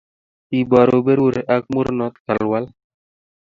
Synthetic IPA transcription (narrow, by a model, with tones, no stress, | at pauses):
ti˨ba˨ɾo˨be˦ɾɾe˨ʔa˦k̚mu˦ɾnɔ˦t̪ka˨lwa˦l